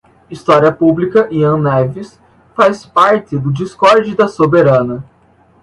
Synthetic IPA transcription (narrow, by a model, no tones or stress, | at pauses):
ist̪ɔɾiɐpublikɐʔiɐ̃nɛvis | faspaɾt̪ɪd̪ʊd͡ʒiskɔɾd͡ʒɪd̪ɐsobeɾɐ̃nɐ